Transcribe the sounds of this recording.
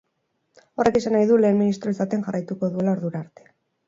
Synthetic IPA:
o̞re̞ke̞sanajðule̞ːnminist̪ɾo̞esat̪enxarajt̪uko̞ðue̞lao̞ɾðuɾaːɾt̪e̞̥

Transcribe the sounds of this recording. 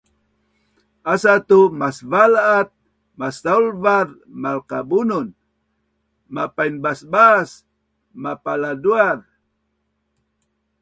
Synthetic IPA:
asat̪umasvalaːt̪̚ | masaulvaɾ | malqabunun | mapajnbasbas | mapaladuaɾ

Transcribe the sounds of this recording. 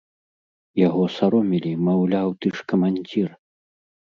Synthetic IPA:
jaɣɔsaɾɔmʲilʲimawlʲawt̪ɨʂkɐmanʲd͡zʲir

